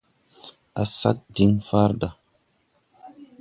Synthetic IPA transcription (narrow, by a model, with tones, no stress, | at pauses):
a˨sa̰˦t̚di˨˦ŋfa˦ɾda˨